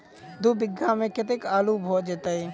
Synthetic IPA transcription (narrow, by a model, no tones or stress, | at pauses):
d̪uːbɪɡːamẽkɪt̪̬ekaːlubʱoːd͡ʒeːt̪aːɦeː